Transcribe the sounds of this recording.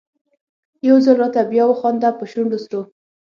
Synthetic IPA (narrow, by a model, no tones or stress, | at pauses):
jawzəlɾɑt̪abjɑwəxɑnd̪apəʃuɳɖosɾo